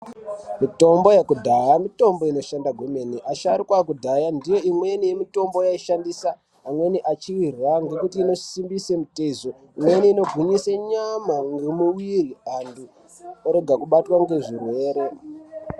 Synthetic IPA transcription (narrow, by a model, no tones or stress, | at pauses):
mito̞mbo̞jekudʱajamito̞mbo̞ino̞ʃandaɡʱwemeniʔaʃaɾikwak̬udʱajandijo̞imwe̞nijemito̞mbo̞jaiʃandisaː | mwe̞niʔat͡ʃiwiraŋɡe̞kutiːno̞simbisemutezo | imwe̞niːno̞ɡʱuɲiseɲamaŋɡemuwiriandu | oɾe̞ɡʱakuɓatwaŋɡe̞ʐirwe̞ːɾe̞